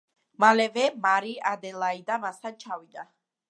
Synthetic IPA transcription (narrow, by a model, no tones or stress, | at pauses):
malɛvɛmaɾiʔad̪ɛlˠaid̪amast̪ʰant͡ʃʰavid̪a